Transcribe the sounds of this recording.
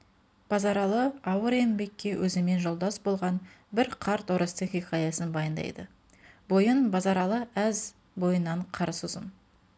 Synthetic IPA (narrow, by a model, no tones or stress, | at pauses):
b̥ɑzɑɾɑlˠəɑwəɾe̞nbe̞kʲːe̞wʔɵzɪme̞nʒo̞lˠd̪ɑsbo̞lˠʁɑn | bɪɾqʰɑɾt̪oɾəst̪əχiχɑjɑsənbɑjənd̪ɑ̰jd̪ə | bo̞jənbɑzɑɾɑlˠəæz | bo̞jənːɑɴqʰɑɾsʊzə̰n